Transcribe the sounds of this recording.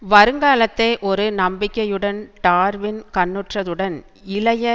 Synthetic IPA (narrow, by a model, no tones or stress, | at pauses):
ʋɐɾɯŋɡaːlɐt̪ːɐɪʔɔɾɯnɐmbɪkːɐjɯɽɐnʈaːɾʋɪnkɐnːɯʈrɐðɯɽɐn | ɪlɐjɐ